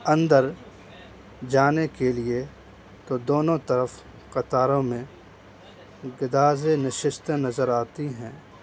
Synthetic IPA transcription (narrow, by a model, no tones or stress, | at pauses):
ɐ̃nd̪əɾ | d͡ʒaːnekelie | t̪od̪oːnõt̪ɐɾəf | qɐt̪aːɾõmẽ | ɡɪd̪aːzenɪʃɪst̪nɐzəɾaːt̪iɦɛ̃ː